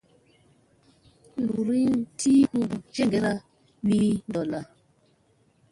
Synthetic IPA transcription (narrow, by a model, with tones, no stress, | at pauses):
lu˨ɾi˦ntʰi˦ku˦˨d͡ʒe˦ŋɡe˦ɾa˦ | wi˦ndɔ˨la˨